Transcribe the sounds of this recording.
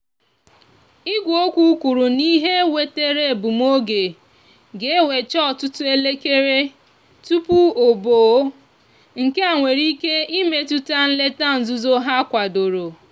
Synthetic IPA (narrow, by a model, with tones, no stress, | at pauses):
i˦ɡʷo˦kʷu˦kʷu˨ɾu˨ni˦ɦe˦we˨te˦ɾe˦˨bu˨m˦o˦ɡe˨ | ɡe˦we˨t͡ʃɔ˦˨tʊ˦tʊ˦e˦le˦ke˦ɾe˦ | tu˦pu˦o˨bo˨˦ | ŋ̩˨ke˦a˨ŋʷe˨ɾi˦ke˦i˦me˨tu˦ta˦n̩˦le˦ta˦n̩˨zu˦zo˦ɦa˦kʷa˨do˨ɾo˨